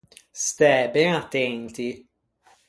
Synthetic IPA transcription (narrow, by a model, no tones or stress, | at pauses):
st̪ɛbɛnat̪ːɛnt̪i